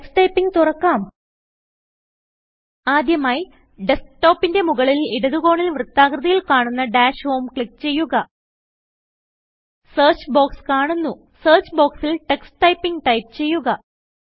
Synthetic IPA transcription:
ksʈɐjpːiŋɡt̪urɐkːaːm | aːd̪jɐmaːji | ɖe̞sʈo̞ːpːinde̞muɣɐɭiliɽɐðuɣo̞ːɳilʋrɨt̪ːaːkrɨðɐjilkaːɳunːɐɖaːɕho̞ːmkɭikːt͡ɕe̞jːuɣɐ | seːrt͡ɕbo̞ːkskaːɳunːu | seːrt͡ɕbo̞ːksilʈe̞ksʈɐjpːiŋɡʈɐjpt͡ɕe̞jːuɣɐ

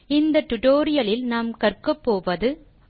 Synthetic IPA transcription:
ɪnd̪ɐʈ̪ʊʈoːɾɪjɐlɪlnaːmkɐrkɐpːoːʋɐðɯ

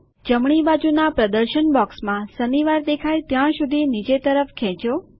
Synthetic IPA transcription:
d͡ʒəmɳ̃ibad͡ʒunapɾəd̪əɾʃənbɔksmãsəniʋaɾd̪ekʰajt̪jãʃud̪ʱinid͡ʒet̪əɾəfkʰɛ̃t͡ʃo

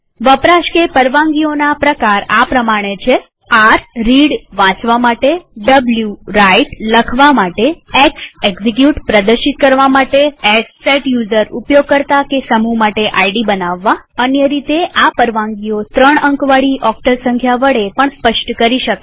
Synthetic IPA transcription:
ʋəpɾaʃkepəɾʋãŋɡionapɾəkaɾapɾəmaɽ̃et͡ʃʰe | aɾɾiɽʋãt͡ʃʋamaʈeɖəbljuɾaiʈləkʰʋamaʈeekseɡzik̬juʈpɾəd̪əɾʃit̪̚kəɾʋamaʈeesːeʈjuzəɾupjoɡ̚kəɾt̪akesəmumaʈeʔaiɖibənaʋːaənjəɾit̪eʔapəɾʋãŋɡiot̪ɾəɳəŋkʋaɽiʔɔk̚ʈəɾsə̃ŋkʰjaʋəɽepəɳspəʃʈkəɾiʃək

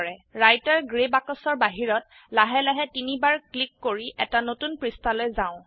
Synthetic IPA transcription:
ɹɛɹajtaɹɡɹebakɔsɔɹbaɦiɹɔt | laɦɛlaɦɛtinibaɹklikːoɹiʔɛtanotunpɹistʰalojzaʊ̃

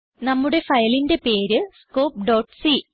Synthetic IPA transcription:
nɐmːuɽe̞fɐjɐlinde̞pe̞ːɾɨsko̞ːp̚ɖoːʈːsi

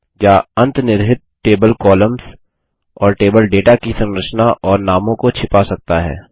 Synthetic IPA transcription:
jaːɐ̃nt̪nɪɾɦɪt̪̚ʈeːbəlkɔːləmz | ɔːɾʈeːbəlɖeːʈakisɐ̃ŋɾəʃnaʔɔːɾnaːmõkot͡ʃʰɪpasɐk̚t̪aɦɛ̰ː

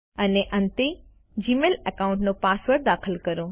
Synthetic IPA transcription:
ɐneʔɐ̃nt̪e | d͡ʑiːmeːlɐkaːʊ̃ɳʈnõpaːsʋəɾd̪aːxəlkɐɾoː

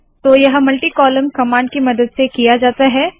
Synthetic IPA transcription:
t̪oːjɐɦmɐlʈikɔːləmkɐmãːɳɖkimɐd̪əd̪sekijad͡ʒaːt̪aɦɛː

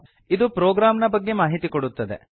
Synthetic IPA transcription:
id̪upɾoːɡɾaːmnɐbɐɡːe̞maːɦit̪ikoɽut̪ːɐd̪e̞̰

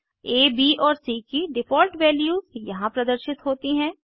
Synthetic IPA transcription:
eːbiːʔɔːɾsiːkiɖɪpoːɾʈʋɛːljuːzjɐɦãpɾɐd̪əɾʃɪt̪ɦoːt̪iɦɛ̃ː

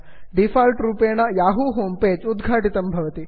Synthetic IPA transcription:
ɖifaːlʈɾuːpeːɳɐjaːɦuɦoːmpeːd͡ʒud̪ɡʱaːʈit̪ɐmbʱɐʋɐt̪i

